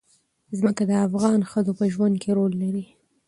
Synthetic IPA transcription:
zməkad̪əafɣɑnxəzopəʒwand̪̚keɾolːaɾi

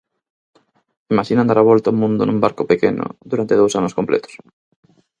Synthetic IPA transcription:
imaʃinand̪aɾaβolt̪aumũnd̪onũmbaɾkopekeno̰ðuɾant̪eðowsanoskomplḛt̪o̥s

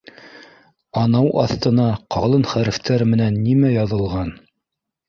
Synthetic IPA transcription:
ɑnɑwʔɑ̰θt̪ɤ̆nɑqɑlˠɤnχæɾɘ̆ft̪æɾmɘ̆nænːimæjɑðɤ̆lˠʁɑn

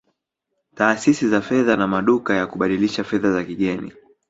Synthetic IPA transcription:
taːsisizafɛðanamaɗukajakuɓaɗiliʃafɛðazakiɠɛnḭ

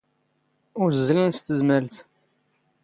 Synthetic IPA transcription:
ʊɾzːlænst̪əzməlt̪

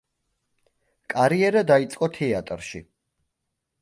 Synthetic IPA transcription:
kʼaɾiɛɾad̪ait̪sʼqʼɔt̪ʰɛat̪ʼɾʃḭ

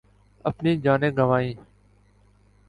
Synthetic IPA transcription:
ə̰pniːd͡ʒaːnẽːɡəʋaːĩː

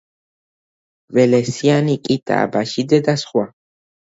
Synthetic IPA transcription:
vɛlɛsianikʼit̪ʼa̰ːbaʃid̪ɛd̪asχwa

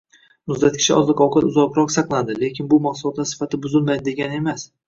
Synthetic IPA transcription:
mʊzd̪at̪̚kʰʲɪ̥ʃɪʔɒzlˠɪqɒwqɑt̪ʊzɒqɾɒqsɑqlˠad̪ɪle̞kʲʰɪnbʊmaqsʊlˠɒt̪ːansɪ̥fat̪ʰɪbʊzɪlmajd̪ɪd̪e̞ɡʲanɪe̞mas

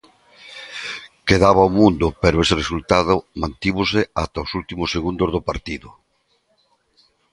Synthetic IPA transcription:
keðaβ̞aomũnd̪ʊpeɾʊeseresult̪aðʊmãnt̪iβʊseat̪aosult̪imʊsːeɣund̪ozðopaɾt̪iðʊ

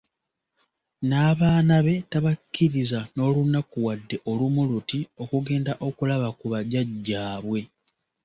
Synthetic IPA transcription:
naːβaːnaβe̞taβakʰːiɾizano̞ːlunakuwadːe̞ʔo̞lumulutio̞kuɡe̞ːndaʔo̞kulaβakuβaɟaɟːaːβwe̞

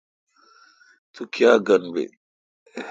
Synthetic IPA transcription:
t̪ukjaːɡɐnbḛ

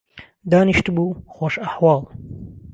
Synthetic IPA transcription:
d̪aːniʃt̪ɨbuːxoːʃɐħwɑːlˠ

